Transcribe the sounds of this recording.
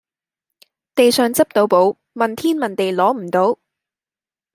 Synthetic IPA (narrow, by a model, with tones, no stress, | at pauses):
t̪e˨jsœː˨ŋt͡sɐ˥p̚t̪o˨˧wpo˨˥w | mɐ˨nt̪ʰiː˥nmɐ˨nt̪e˨jlɔː˨˥m̩˨˩t̪o˨˥w